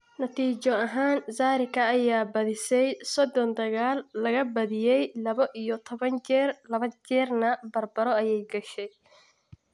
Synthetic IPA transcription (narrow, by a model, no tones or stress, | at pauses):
nɐt̪ʰiːt͡ʃɔɐɦaːnzaːɾɪkʰɐːjaːbɐðɪsɛjsɔd̪ɔnd̪ɐɣaːlːɐɣɐbɐðɪjɛjlɐβɐʔijɔt̪ʰɔβɐnt͡ʃɛːrlɐβɐt͡ʃɛːrnɐbɐrbɐɾɔɐjɛjɡɐʃɛj